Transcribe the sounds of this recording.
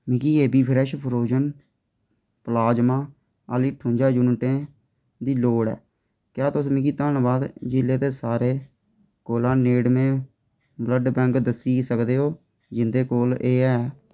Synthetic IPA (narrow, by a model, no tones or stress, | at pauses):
mɪkiːeːbiːpʰɪɾɛʃpʰəɾoːd͡ʒən | pəlaːd͡ʒmãː | əliːʈʰʊ̃ːɲd͡ʒaːd͡ʒʊnʈẽː | d̪iːloːɽɛ̰ː | kjaːt̪ʊsmɪkiːt̪aːnbaːd̪d͡ʒɪleːt̪eːsaːɾeː | koːlãːneːɖmẽː | bləɖbɛ̃ːŋkd̪əsiːsəkd̪eːɦoː | d͡ʒɪnd̪eːkoːleːɛː